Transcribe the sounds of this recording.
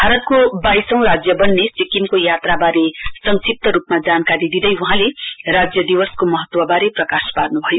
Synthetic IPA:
bʱaɾʌt̪̚kobajsʌ̃w̃rad͡zjʌbʌnːet͡sikimkojat̪rabaɾesʌŋsip̚t̪ʌɾupmad͡zankaɾid̪id̪ʌjuɦãlerad͡zjʌd̪iwʌskomʌɦʌt̪wʌbaɾeprʌkasparnubʱʌjo

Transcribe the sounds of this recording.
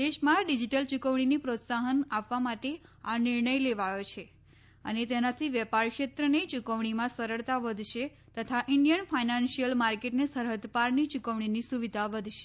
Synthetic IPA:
d̪eʃmãɖid͡ʒiʈəlt͡ʃukəʋɳ̃inipɾot̪saɦənapːamaʈeanɪɾɳəjleʋajot͡ʃʰe | ə̰net̪enat̪ʰiʋjɛpaɾkʃet̪ɾənet͡ʃukəʋɳ̃imãsəɾəɭt̪aʋəd̪ʱʃe | t̪ət̪ʰaʔɪɳɖijənfainãnʃijəlmaɾkeʈnesəɾɦəd̪paɾnit͡ʃukəʋɳ̃inisuʋid̪ʱaʋəd̪ʱʃe̥

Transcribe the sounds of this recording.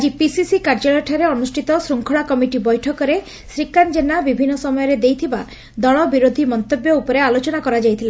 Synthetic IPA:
ad͡ʒipisisikaɾd͡ʒɔɭɔʈʰaɾeɔnusʈʰit̪ɔsɾuŋkʰɔɭakɔmiʈibɔjʈʰɔkɔɾe | sɾikand͡ʒenabibʱinːɔsɔmɔjɔɾed̪ejt̪ʰiba | d̪ɔɭɔbiɾod̪ʱimɔnt̪objɔupɔɾealot͡ʃɔnakɔɾad͡ʒajt̪ʰile

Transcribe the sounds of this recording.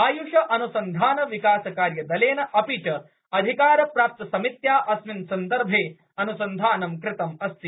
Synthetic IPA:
aːjuʂɐʔɐnusɐnd̪ʱaːnɐʋikaːsɐkaːɾjɐd̪ɐleːnɐʔɐpiʈɐ | ɐd̪ʱikaːɾɐpɾaːp̚t̪ɐsɐmit̪jaːʔɐsminsɐnd̪ɐɾbʱeː | ɐnusɐnd̪ʱaːnɐmkɾɪt̪ɐmɐst̪i

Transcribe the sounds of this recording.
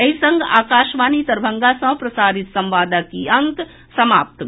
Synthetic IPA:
ɐɦisɐ̃ŋɡa̰ːkaːʃʋaːnit̪ɐɾbʱɐ̃ŋɡasɐ̃pɾɐsaːɾɪt̪sɐ̃mʋaːd̪akiɐ̃ŋk | sɐmaːp̚t̪

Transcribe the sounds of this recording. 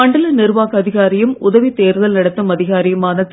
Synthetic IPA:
ɐɳɖɐlɐnɪɾʋaːɣɐɐðɪɣaːɾɪjɯmʊðɐʋit̪eːɾɯðɐlnɐɽɐt̪ːɯmɐðɪɣaːɾɪjɐmaːnɐt̪ː

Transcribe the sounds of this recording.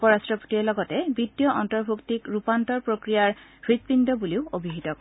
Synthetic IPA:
pɔɹastɹɔpo̥tiɛlɔɡɔtɛbidjɔʔɔntɔɹbʱuktikɹupantɔɹpɹokɹijaɹbɹit̪̚pindɔbuliʊobʱiɦitɔk

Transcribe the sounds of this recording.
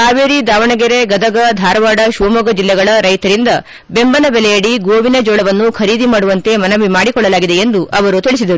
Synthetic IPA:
aːʋeːɾid̪aːʋɐɳɐɡeɾeɡɐd̪ɐɡɐd̪ʱaːɾɐʋaːɽɐʃuʋɐmɐɡɐd͡ʒilːɛɡɐɭɐɾɐjt̪ɐɾind̪ɐ | be̞mbɐnɐbɛlɛjɐɽiɡoːʋinɐd͡ʒɔːɭɐʋɐnːukʰɐɾiːd̪imaːɽuʋɐnt̪e̞mɐnɐʋimaːɽikɔɭːɐlaːɡid̪e̞end̪uʔɐʋɐɾut̪iɭis̬id̪ɐɾu

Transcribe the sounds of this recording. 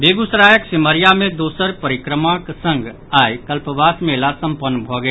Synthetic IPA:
beɡusɾajəksiməɾijamed̪osəɾpəɾikɾəmaksə̃ŋɡ | ajkəlpəbasmelasəmpənːbʱɔɡɛ

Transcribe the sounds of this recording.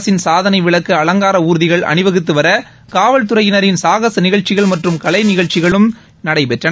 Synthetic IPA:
sɪnsaːðɐnɐɪʋɪɭɐkːɐɐlɐŋɡaːɾɐuːɾɯðɪɣɐɭʔɐ̰nɪʋɐɣɯt̪ːɯʋɐɾɐ | kaːʋɐɭt̪̬ɯɾɐjɪnɐɾɪnsaːɣɐsnɪɣɐɭt͡ʃːɪɣɐɭmɐʈrɯmkɐɭɐɪnɪɣɐɭt͡ʃːɪɣɐɭɯm | nɐɽɐɪpɛʈrɐ

